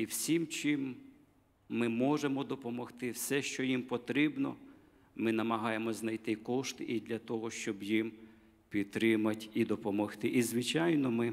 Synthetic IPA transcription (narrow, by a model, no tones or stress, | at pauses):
iwsʲimt͡ʃɪmː | ɪmɔʒemɔd̪ɔpɔmɔxt̪ɪwsɛʃt͡ʃɔjimpɔt̪ɾɪbnɔ | mɪnɐmɐɦɑjemɔznɐjt̪ɪkɔʃt̪ɪʔid̪lʲɐt̪ɔɦɔʃt͡ʃɔbjim | pʲit̪ɾɪmɐtʲid̪ɔpɔmɔxt̪ɪʔizʋɪt͡ʃɑjnɔmɪ